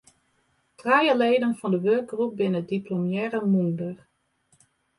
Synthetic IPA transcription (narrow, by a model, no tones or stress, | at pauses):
trajəlejdənvɑndəʋøɹk̚ɡrup̚bɪnədiplomjɛːrəmundər